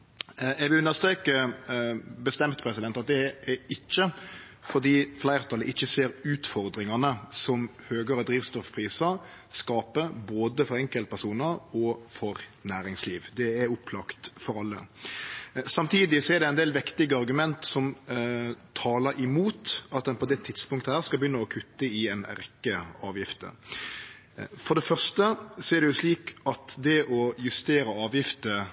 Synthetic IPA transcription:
ɛɡʋɪʉnəst̪ɾeːkə | bəst̪ɛmt̪pʰɾɛsɪd̪ɛnt̪ɑt̪̚d̪ɛɛɪçːə | fɔɾd̪iːflæɪɾt̪ʰɑlːəʔɪçːəseːɾʉːt̪fɔɾd̪ɾɪŋɑnəsɔmhøːɡəɾəd̪ɾiːʋst̪ɔfpʰɾiːsə | skɑːpəboːd̪əfɔɾɛŋkəlt̪̚pʰæʂuːnəɾɔfɔɾnæːɾɪŋsliːʋd̪ɛɛɾʊpʰlɑkt̪fɔɾɑlːə̰ | sɑmt̪ʰiːd̪ɪsɔɛɾd̪ɛɪnd̪eːlʋɪkt̪ɪɡəɑɾɡʉmɛnt̪sɔm | t̪ʰɑːləɾɪmuːt̪ɑt̪̚d̪ɛnpʰɔd̪ɛt̪ʰɪd̪spʊŋkt̪əhæːʁskɑlbəjʏnːəɔkʰʉt̪ːəɪɛnɾɛkːəɑːʋjɪft̪ə̰ | fɔɾɖ̪ɛfœʁʂt̪əsɔɛɾɖ̪ɛjʊʂliːkɑt̪d̪ɛʔɔjʉst̪eːɾəɑːʋjɪft̪ə

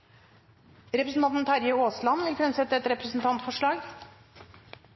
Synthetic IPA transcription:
ɾɛpɾəsn̩t̪ʰɑnt̪n̩t̪ʰɑɾjəoːslɑnʋɪlkɾɛnsɛt̪ːəɛt̪ɾɛpɾɛsn̩t̪ʰɑnt̪fɔʂɭɑːɡ

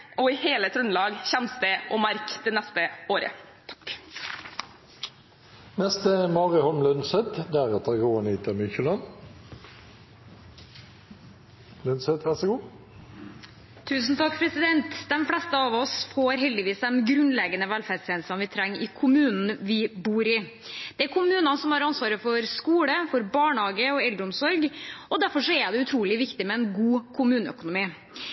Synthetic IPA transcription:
ʔɔɪheːlət̪ʰɾʉnlɑːɡçɛmst̪ɛʔɔmɑɾkd̪ɛnɛst̪əʔoːɾə̰ | t̪ʰk | nɛst̪əmɑːʁɪhɔlmlœnsɛt̪d̪æʁɛt̪əɡoːənɪt̪əmʏçəlɑn | lœnsɛt̪ʋæʁsəɡuː | t̪ʰʉːsn̩t̪ʰɑkːpʰɾɛsɪd̪ɛnt̪d̪ɛmflɛst̪əɑʋɔsfoːɾɦɛld̪ɪʋiːsd̪ɛmɡɾʉnlɛɡənəʋælfæːst̪ʰɛːnsɑnʋɪt̪ʰɾɛŋːɪ̰kʰʊmʉːnn̩ʋɪbuːɾɪ | d̪̥ɛæɾkʰʊmʉːnɑnsɔmhɑɾɑnsʋɑːɾəfɔɾskuːləfɔɾbɑːɳhɑːɡəɔɛld̪ɾəʊmsɔɾɡɔd̪æɾfɔʂɔæd̪ɛʉt̪ʰɾuːlɪʋɪkt̪ɪmɛɛnɡuːkʰʊmʉːnəœ̰kʊnʊmiː

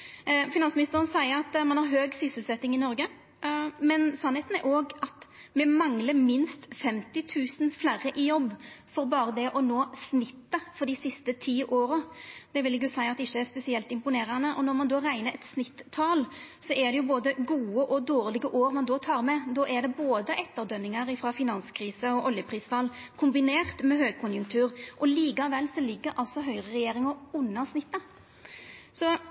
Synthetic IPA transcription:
fɪnɑnsmɪnɪst̪əɾənsæɪəɾɑt̪mɑnhɑɾɦøːɡsʏsəlsɛt̪ːɪŋɪnɔɾɡə | mɛnsɑnheːt̪n̩æɾʔoːɡɑt̪mɛmɑŋləɾmɪnst̪fɛmt̪ɪt̪ʰʉːsən̩flæɾəʔɪjɔbːfɔɾbɑːɾəd̪ɛʔɔnoːsnɪt̪ːəfɔɾɖ̪ɪsɪst̪ət̪ʰiːʔoːɾəd̪̥ɛʋɪlɛɡjʊsæɪɑt̪d̪ɛɪçːəæɾspɛsɪɛlt̪ɪmpʊneːɾənəʔɔnɔɾmɑnd̪ɔːɾæɪnəɾɛt̪snɪt̪ʰːɑːlsɔʔɛd̪ɛjʊboːd̪əɡuːəʔɔd̪oːʁlɪɡəʔoːɾmɑnd̪ɔːt̪ʰɑːɾmɛd̪ɔʔæd̪ɛboːd̪əʔɛt̪ːəɾd̪œnːɪŋəɾɪfɾɑfɪnɑnskʰɾiːsəɔʔɔljəpʰɾiːsfɑlːkʰʊmbɪneːʁt̪mɛɦøːɡ̚kʰʊnjʊŋkt̪ʰʉːɾʔɔliːkɑʋɛlːsɔlɪɡːəɾʔɑlsɔɦœʏɾəʁɛjeːɾɪŋəɾʊnːəsnɪt̪ːə | sɔ

